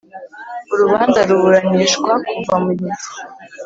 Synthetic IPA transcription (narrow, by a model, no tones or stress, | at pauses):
uɾuβaːnzaɾuβuɾaɲiːʃɡwakuvamuɟizi̥